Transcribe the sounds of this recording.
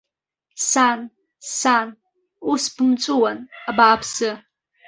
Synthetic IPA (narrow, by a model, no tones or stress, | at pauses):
saːn | saːn | uspɨmt͡sʷʼuwɐnabaːpsɨ